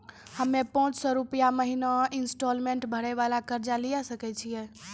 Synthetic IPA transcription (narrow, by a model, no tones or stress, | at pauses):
həmːepəɔ̃ːt͡ʃsɔɾupəjaməɦinainsʈolmeɳʈbʱəɽɛʋalakəɾd͡ʒalijasəkɛt͡ʃʰijɛ